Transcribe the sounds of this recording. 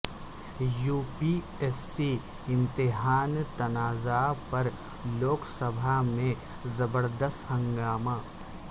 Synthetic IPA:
juːpi | ɛsːi | ɪ̃nt̪ɪɦaːnt̪ɐnaːzapɐɾ | loːksəbʱamẽ | zɐbəɾd̪əst̪hə̃ŋɡaːmaː

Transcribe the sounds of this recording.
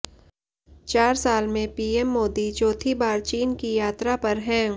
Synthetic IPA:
t͡ʃaːɾsaːlmẽpiːɛmːoːd̪it͡ʃɔːt̪ʰibaːɾt͡ʃiːnkijaːt̪ɾapɐɾɦɛ̃ː

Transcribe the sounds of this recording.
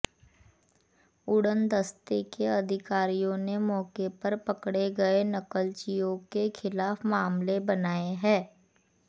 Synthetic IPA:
ʊɽənd̪əst̪ekeɐd̪ʱɪkaːɾijõnemɔːkepɐɾpɐkɽeɡɐenɐkəlt͡ʃijõkexʰɪlaːfmaːmlebɐnaːeɦɛ̃ː

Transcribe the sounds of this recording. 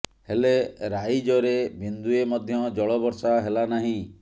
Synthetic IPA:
heleɾajd͡ʒɔɾebʱind̪uemɔd̪ʱjɔd͡ʒɔɭɔbɔɾsaɦelanaɦĩ

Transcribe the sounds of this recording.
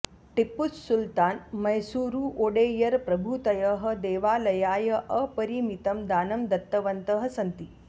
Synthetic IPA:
ʈipːussult̪aːnmɐjsuːɾuːʔoːɽeːjɐɾpɾɐbʱut̪ɐjəɦɐ̆d̪eːʋaːlɐjaːjɐʔɐpɐɾimit̪ɐmd̪aːnɐmd̪ɐt̪ːɐʋɐnt̪əɦɐsɐnt̪i

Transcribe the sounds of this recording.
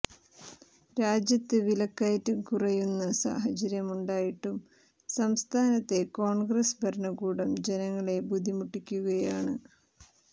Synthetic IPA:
ɾaːd͡ʑjɐt̪ːɨʋilɐkːaːjɐtːɨkurɐjunːɐsa̰ːɦɐt͡ɕɐɾjɐmuɳɖaːjiʈːum | sɐmst̪ʰaːnɐt̪ːe̞ko̞ːɳɡrɐsbʱɐɾɳɐɡuːɽɐmd͡ʑenɐŋːɐɭe̞bud̪ʱimuʈːikʲːuɣɐjaːɳɨ

